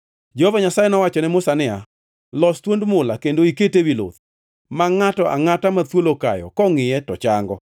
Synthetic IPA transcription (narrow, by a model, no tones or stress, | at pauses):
d͡ʒohovaɲasajɛnɔwat͡ʃɔnɛmʊsanɪa | lɔstwondmʊlakendoiketewilo̰t̪ | maŋatɔʔa̰ŋatamat̪woloka̰jɔ̰kɔŋɪjɛtɔt͡ʃaŋɡɔ